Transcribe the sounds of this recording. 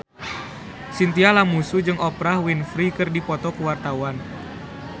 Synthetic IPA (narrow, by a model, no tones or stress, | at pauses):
sint̪ialamusud͡ʒɨŋɔpɾahwinfɾikɨrdipɔt̪ɔkuwart̪awan